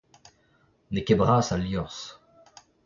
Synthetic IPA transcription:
nekebʁaːsaljɔ̃s

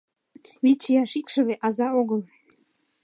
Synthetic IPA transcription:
βit͡ɕijɑʃikʃə̆βeʔɑzɑoɣəl

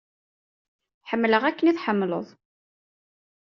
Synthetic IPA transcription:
ħəmːləʁækːəniθħəmːlə̰ðˤ

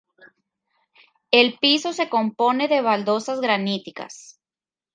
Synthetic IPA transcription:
e̞lpiso̞se̞ko̞mpo̞ne̞ðe̞βald̪o̞sazɣɾanit̪ika̰s

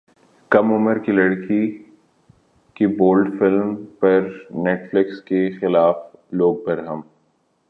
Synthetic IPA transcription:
kɐmʊməɾkilɐɽkʰi | kiboːlɖfɪlmpɐɾneːʈflɪkskexɪlaːfloːɡ̚pɐɾɦɐm

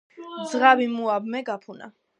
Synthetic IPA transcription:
d̪zʁavimuabmɛɡapʰuna̰

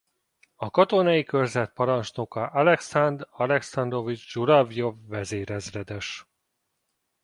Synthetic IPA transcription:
ɒkɒt̪onɒjikørzɛt̪̚pɒɾɒnt͡ʃnokɒʔɒlɛksand̪rɒlɛksɒnd̪ro̞vid͡ʒd͡ʒuɾɒvjovːɛzeːɾɛzrɛd̪ɛʃ

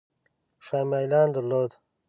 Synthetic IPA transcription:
ʂaːmaːjlaːnd̪əlod̪

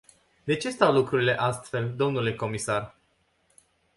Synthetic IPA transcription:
d̪e̞t͡ʃe̞st̪awlukɾuɾile̞ʔast̪fe̞ld̪o̞mnule̞ko̞misar

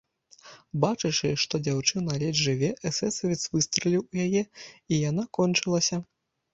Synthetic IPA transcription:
bat͡ʂɨt͡ʂɨʂt̪ɔd͡zʲawt͡ʂɨnɐlʲɛdʐɨvʲɛʔɛsɛsɐvʲit̪svɨst̪ɾɐlʲiwujajɛijan̪akɔnt͡ʂɨlˠɐsʲɐ

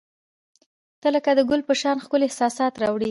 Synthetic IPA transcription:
t̪ələkad̪əɡʊlpəʃɑnxkʊlɪhsɑsɑt̪ɾɑwɽi

